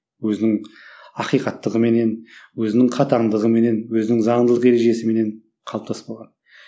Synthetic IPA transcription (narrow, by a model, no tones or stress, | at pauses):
wɵzɪnɪŋɑqijqɑt̪ːəʁəme̞ne̞nwɵzɪnɪŋqʰɑt̪ɑɴd̪əʁəme̞ne̞nwɵzɪnɪŋzɑɴd̪əlˠəqe̞ɾe̞ʒe̞sɪme̞ne̞ɴ | qʰɑlˠəp̚t̪ʰɑspɑlˠʁɑn